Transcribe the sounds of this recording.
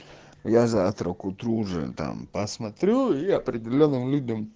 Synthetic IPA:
jazat̪ɾokʊt̪ɾuʐɨ̰t̪a̰mpɐsmɐt̪ɾʲuiɐpɾʲɪdʲɪlʲonːɨmlʲud̪ʲəm

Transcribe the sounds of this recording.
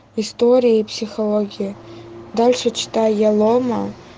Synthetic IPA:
ist̪oɾʲijipsʲixolˠoɡʲijɐd̪alʲʂət͡ɕʰɪ̥t̪ʰajjalˠomɐ

